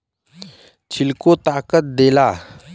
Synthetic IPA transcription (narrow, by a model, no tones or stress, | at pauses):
t͡ɕʰilkot̪aːkət̪̚d̪ela